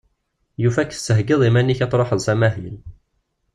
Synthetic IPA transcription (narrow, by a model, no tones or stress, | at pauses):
jufækːə̥sːəɦɡɪðˤimænːiçɑt̪ˤɾˤoħəðsæmæhil